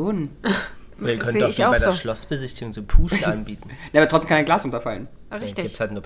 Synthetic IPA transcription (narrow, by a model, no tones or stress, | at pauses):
on | iːɐkʰœnted̥ɔʊbaɪdeɐʃlɔsb̥əzɪçtɪɡʊŋt͡sopʰuːʃlʔanbiːtn̩naʔabɐtʰʁɔt͡stemkanaɪnɡlaːsʁʊntɐfalən | ʁɪɡiːtshaltnuɐ